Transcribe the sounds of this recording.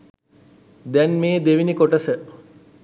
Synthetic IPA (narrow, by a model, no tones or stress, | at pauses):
d̪ɛnmeːd̪eʋinikoʈəsə